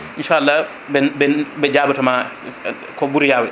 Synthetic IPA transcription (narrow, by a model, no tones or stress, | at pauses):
ʔinʃaːʔalːa | bɛbɛbɛd͡ʒaːbatama | kɔbuɾijaːwɛ